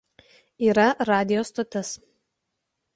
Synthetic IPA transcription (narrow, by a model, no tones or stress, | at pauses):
iːɾɐɾɑːd̪ʲɪjoːst̪ɔt̪ʲɛs